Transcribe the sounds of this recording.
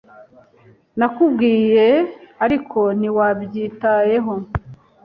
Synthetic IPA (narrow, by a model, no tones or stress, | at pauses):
nakubɡiːje̞aɾikʰo̞niwabɟiːtaje̞ɦo̞